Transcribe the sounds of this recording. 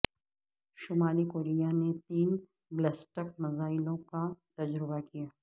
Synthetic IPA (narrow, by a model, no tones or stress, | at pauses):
ʃʊmaːlikoːɾijanet̪iːn | blɛsʈəkmɐzaːɪlõkat̪ɐd͡ʒɾɪbakijaː